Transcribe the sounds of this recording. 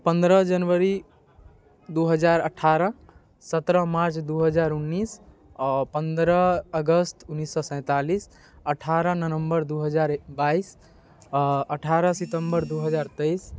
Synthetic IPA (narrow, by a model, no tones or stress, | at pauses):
pənd̪ɾəd͡ʒənʋəɾi | d̪uɦəd͡ʒaɾəʈʰaɾə | sət̪ɾəmaɾt͡ʃd̪uɦəd͡ʒaɾunːis | pənd̪ɾəəɡəst̪unːisːɔsə̃ɪ̃t̪alis | əʈʰaɾənənəmbəɾd̪uɦəd͡ʒaɾbais | əʈʰaɾəsit̪əmbəɾd̪uɦəd͡ʒaɾt̪əis